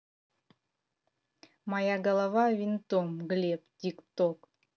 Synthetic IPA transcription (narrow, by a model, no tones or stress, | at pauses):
mɑjaɡəlˠɑvɑvʲint̪omɡlʲep̚t̪ʲikt̪ok